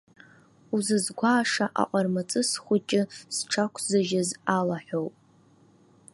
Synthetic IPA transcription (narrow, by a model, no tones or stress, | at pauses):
uzɨzɡʷaːʂaʔa̰qʷʼarmat͡sʼɨsχʷʊt͡ʃʼɪsʈ͡ʂʰakʷʰzɨʒazalaħʷᶣowpʼ